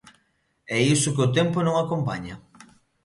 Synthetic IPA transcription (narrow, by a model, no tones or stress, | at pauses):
ɛisʊkeʊt̪ɛmponõŋakompa̰ɲɐ